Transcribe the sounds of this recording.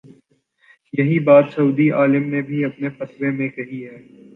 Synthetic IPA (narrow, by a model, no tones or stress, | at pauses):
jɐɦibaːt̪sɐuːd̪iaːlɪmnẽbʱiɐpnefɐt̪wemẽkɐɦiɦɛː